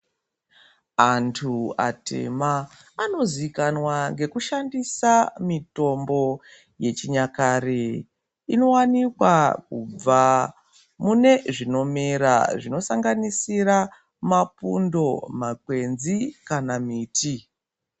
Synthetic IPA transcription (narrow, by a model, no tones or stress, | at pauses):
antʰua̰tḛmaː | no̞zikanwaŋɡe̞kuʃandisamito̞mbo̞ | je̞t͡ʃiɲakare | ino̞wanikwakṵb͡va | mune̞ʐino̞meɾa̰ʐino̞saŋɡanisira | mapundo̞makwe̞nzikanamiːtʰi